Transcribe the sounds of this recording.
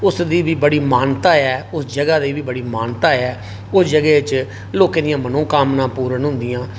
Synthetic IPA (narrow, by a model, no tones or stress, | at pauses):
ʊsd̪iːbiːbəɽiːmaːnt̪aːɛːʊsd͡ʒəɡaːd̪iːbiːbəɽiːmaːnt̪aːɛː | ʊsd͡ʒəɡeːɪt͡ʃ | loːkeːd̪ɪjãːmənõːkaːmnãːpuːɾənɦʊ̃nd̪ɪjãː